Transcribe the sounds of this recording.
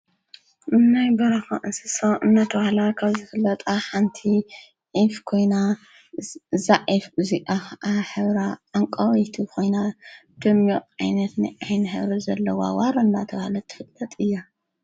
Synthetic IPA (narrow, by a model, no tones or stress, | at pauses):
nːajbɐɾaxaʔɨnsɨsoʔɨnːat̪ʰɐβahlakʰaβzɨfɨlːɐt̪ʼaħant̪ʰi | ʕifkʰo̞jna | zaʕifmuzikʼaxɐʔaħɨβɾaʔaŋkʼawt̪ʰukʰo̞jnad̪̥ɐmjoʔʔajnɐt̪nɨʔajnħɨβɾɐzɐlːɐwa̰waɾɐɨnːat̪ʰɐβahlat̪ʰɨ̥fɨt̪ʼːɐt̪ʼɨjːa